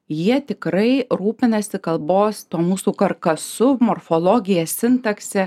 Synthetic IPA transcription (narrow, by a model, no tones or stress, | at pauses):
jiɛt̪ʲɪkɾɐɪɾuːpʲɪnɐsʲɪkɐlˠboːst̪oːmuːsuːkɐɾkɐsʊmoːɾfolˠoːɡʲɪjɛsʲɪnt̪ɐksʲɛ